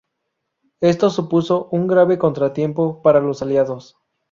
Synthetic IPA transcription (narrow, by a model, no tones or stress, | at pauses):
e̞st̪o̞supuso̞ʔuŋɡɾaβe̞ko̞nt̪ɾat̪je̞mpo̞paɾalo̞saljaðos